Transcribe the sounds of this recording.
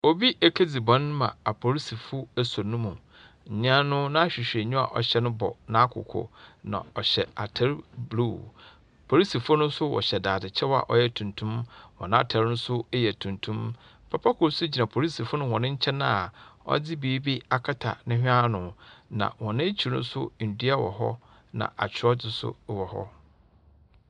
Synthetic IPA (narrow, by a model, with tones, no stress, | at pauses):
o˨bi˦ʔe˨kʰe˦d͡zi˨bɔ̃˦n˦mã̰˨a˨pʰo˨ɾi˦si˨fʊ˦æ˨so˨nʊ̃˦mũ˨ | ɲ̩˨ɲ˦ã˦nʊ̃˦nã˦a˦ɕᶣi˨ɕᶣe˨ɲũ˦a̰˨ʔɔ˨ɕɛ˦nʊ̃˦bɔ̰˨nã˦kʰʊ̰˨kʰɔ̰˨nã̰˨ɔ˨ɕɛ̰˨a˨tʰɛ˦ɾblu˦˨ | pʰo˨ɾi˦si˨fʊ˦nʊ̃˦sʊ˦wɔ̰˨ɕɛ˨daː˨dɪ˨t͡ɕʰɛ˦wa̰˨ʔɔ˦jɛ˦tʰũ˨ntʰũ˦mwɔ̰̃˨nã˦a˦˨tʰa˨ɾnʊ̃˦sʊ˦e˦jɛ˨tʰũ˨ntʰũ˦m | pʰa˨pʰa˦kʰʊ˨ɾsʊ˦d͡ʑi˨nã˨pʰo˨ɾi˦si˨fʊ˦nʊ̃˦wɔ̃˨nʊ̃˦ɲ̩˦t͡ɕʰɛ̃˦nã˦a˨ɔ̰˦d͡zɪ˦biː˨˦bi˦a˨kʰa˦tʰa̰˨nɪ̃˦hᶣa˦nʊ̃˨nã̰˨wɔ̃˨nɪ̃˦e˦t͡ɕʰi˨ɾnʊ̰̃˦sʊ̰˦n̩˨di˦a˦wɔ̰˨ɦɔ̰˦ | nã̰˨ʔa˨t͡ɕʰɪ˦ɔ˦d͡zɪ˨sʊ̰˦wɔ˨hɔ̰˦